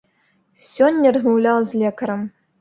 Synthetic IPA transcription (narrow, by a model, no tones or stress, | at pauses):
sʲonʲːɐrəzmɐwlʲalˠzʲlʲekɐɾəm